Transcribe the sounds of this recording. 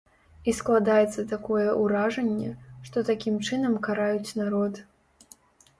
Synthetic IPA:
isklˠad̪ajɛt̪sːɐt̪akɔjɛʔuɾaʐɛnʲːɛʂt̪ɔt̪akʲimt͡ʂɨnɐmkaɾajut͡sʲnaɾɔt̪

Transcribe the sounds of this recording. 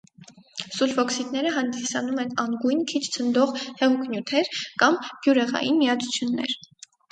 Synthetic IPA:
sulfɔksit̪nɛɾəɦɑnd̪isɑnumɛnɑŋɡujnkʰit͡ʃʰt͡sʰənd̪ɔʁhɛʁukʰnjut̪ʰɛɾkɑmb̥juɾɛʁɑ̰jinmijɑt͡sʰu̥t͡sʰjunːɛ̰ɾ

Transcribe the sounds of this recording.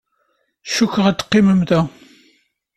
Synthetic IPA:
ʃukːʁæt̪ːqːiməmðæ

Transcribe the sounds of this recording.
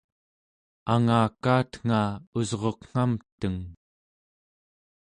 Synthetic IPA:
aŋaːkaːt̪ŋ̥aːuzʁo̞qŋ̥amt̪əŋ

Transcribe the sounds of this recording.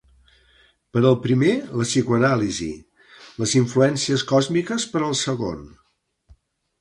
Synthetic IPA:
pəɾəlˠpɾimeləsikuənalizḭ | ləziɱfluɛnsiəskɔzmikəspəɾəlˠsəɣo̰n

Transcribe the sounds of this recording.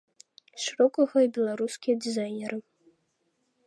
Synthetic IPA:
ʂɨɾɔkɐɣɐibʲɛlˠaɾuskʲijɐd̪ʲizajnʲɛɾɨ

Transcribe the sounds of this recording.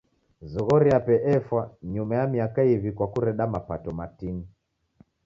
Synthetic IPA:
zɔɣɔɾiapɛʔɛfwaɲumajamiakaivikwakuɾɛɗamapatɔmatini

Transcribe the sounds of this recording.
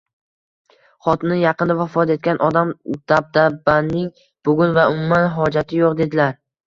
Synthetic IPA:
χɒt̪nɪjɑqɨnd̪avafɒt̪e̞t̪̚kʲanʔɒd̪amd̪̥ab̚d̪abanːɪŋ | b̥ʊɡʲʊnvaʊmʊmanɦɒd͡ʒat̪ʰɪjoqd̪e̞d̪ɪlaɾ

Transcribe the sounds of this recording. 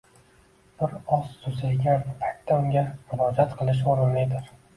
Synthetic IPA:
b̥ɪɾɒst̪ʰʊzaɡʲanpʰak̚t̪ʰːaʊŋɡʲamʊɾɒd͡ʒat̪qʰɨlˠɪʃ̬oɾɪnlɪjd̪ɪɾ

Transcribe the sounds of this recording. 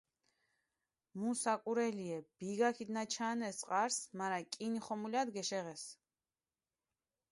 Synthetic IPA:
musakʼuɾɛliɛb̥iɡakʰid̪nat͡ʃʰaːnɛsʼqʼaɾsmaɾakʼiniχɔmuliad̪ɡɛʃɛʁɛs

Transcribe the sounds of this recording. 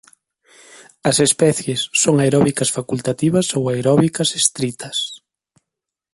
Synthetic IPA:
ɐsespɛθjesːoŋaejɾɔβikɐsfakult̪at̪iβɐsowaeɾɔβikɐsest̪ɾit̪ɐs

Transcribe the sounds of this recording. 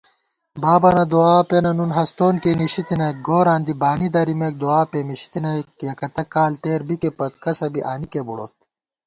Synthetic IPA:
baːbɐnɐd̪uaːpenɐnunɦɐst̪oːnkeniɕit̪inɐk̚ɡoːɾãːnd̪ibaːnid̪ɐɾimek̚d̪uaːpemiɕi̥t̪inɐkjɐkɐt̪ɐkːaːlt̪eːɾbikepɐt̪kɐsɐbiʔaːnikebuɽoːt̪̚

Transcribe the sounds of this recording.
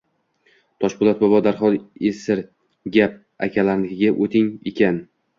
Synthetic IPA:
t̪ʰɒʃbʊlˠat̪̚bɒbɒd̪aɾχɒlesɪɾ | ɡʲap̚ | a̰kʲʰalaɾlɪkʲɪɡʲaʔot̪ʰɪŋḛkʲʰan

